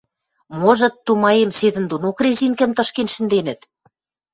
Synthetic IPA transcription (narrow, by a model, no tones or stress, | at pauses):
moʒɤ̆t̪ːumɑjemsed̪ɘ̆nd̪unokrezʲiŋkɘ̆mt̪ɤ̆ʃkenʃɘ̆nd̪enɘ̆t̪